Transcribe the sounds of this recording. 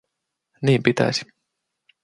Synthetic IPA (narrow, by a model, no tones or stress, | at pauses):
niːpit̪æ̰si̥